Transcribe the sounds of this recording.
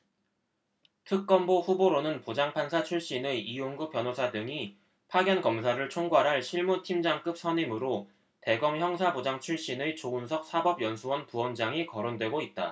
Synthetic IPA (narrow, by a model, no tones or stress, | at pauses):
tʰɯk̚k͈ʌmboɸuboɾonɯnpod͡ʑaŋpʰansʰat͡ɕʰuɭɕ͈ineioŋɡup͈ʰjʌnosʰadɯŋi | pʰaɡjʌnkʌmsʰaɾɯɭt͡ɕʰoŋɡwaɾɦaɭɕʰiɭmutʰimd͡ʑaŋk͈ɯp̚s͈ʰʌɲimɯɾo | te̞ɡʌŋçjʌŋsʰabod͡ʑaŋt͡ɕʰuɭɕ͈inet͡ɕounsʰʌk̚s͈ʰabʌbjʌnsʰuwʌnpuwʌnd͡ʑaŋikʌɾondwe̞ɡoit̚t͈a̰